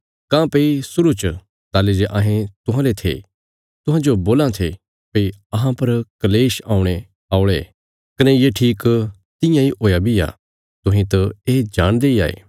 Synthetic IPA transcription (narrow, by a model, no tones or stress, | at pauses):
kãːpeisʊɾut͡ʃ | t̪aːlid͡ʒeʔaːɦẽt̪ʊɦãlet̪ʰḛ | t̪ʊ̃ɦãːd͡ʒoboːlãt̪ʰe | pɐiɐɦãpɐɾkɐleːʃa̰ːʊ̃ɽ̃e | aːʊɽeː | kɐnɛjeʈʰiːk | t̪ɪ̃jãiɦoːjabʱija̰ː | t̪ʊɦĩt̪ɐeːd͡ʒaːɽ̃d̪eia̰ːḛː